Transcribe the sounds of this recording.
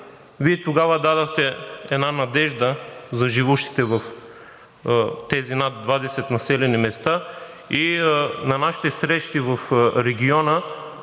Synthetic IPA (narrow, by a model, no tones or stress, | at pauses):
viɛt̪oɡavəd̪ad̪ɐxt̪ɛɛd̪nanɐd̪ɛʒd̪əzɐʒivuʃt̪i̥t̪ɛvɐf | t̪ɛzinat̪d̪vad̪ɛsɛt̪nɐsɛlɛnimɛst̪a | inɐnaʃi̥t̪ɛsɾɛʃt̪ivɐfɾɛɡʲiɔnə